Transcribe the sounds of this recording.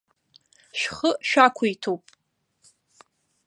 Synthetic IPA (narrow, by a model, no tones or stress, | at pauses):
ʃᶣχəʃᶣakʷʰʊitʰowpʼ